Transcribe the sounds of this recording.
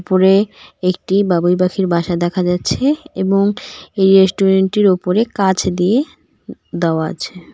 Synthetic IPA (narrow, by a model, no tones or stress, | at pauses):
poɾeek̚ʈibabujbakʰiɾbʱaʃad̪ɛkʰad͡ʑatːɕʰeeboŋejɾesʈuɾeɳʈiɾopoɾekat͡ɕʰd̪ie | d̪aoaa̰t͡ɕʰe